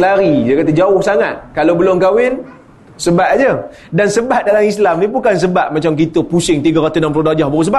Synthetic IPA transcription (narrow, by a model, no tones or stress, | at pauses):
laɾidəkat̪ad͡ʒaʊhsaŋat̪̚kalobəlʊŋkawɪn | səbat̪̚ad͡ʒə | dansəbat̪̚dalamislamnipukans̬əbaʔ̪̚mat͡ʃamk̬it̪əpusɪŋt̪iɡaɾat̪usnampəlodad͡ʒahbaɣus̬əba